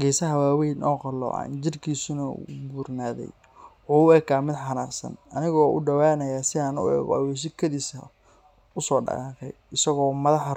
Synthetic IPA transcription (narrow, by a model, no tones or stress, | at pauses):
ɡɛːsɐɦɐwaːwɛjnʔɔːqɑlɔ̰ːʕɑ̰nt͡ʃɪrkʰiːsʊnɐṵbuːrnaːðɛ̰j | uːɛːɡaːmɪd̪ħɑnaːsɐ̰nɐnɪɣɔːʔʊɖɐwaːnɐjaːsɪaːnʊ̰ɛ̰ːɣwɛʃ̬ɪkʰɐðiːsɐ̰ | ʊsɔːɖɑ̰qɑːqɛ̰jɪsɐɣɔːmɐðɑħ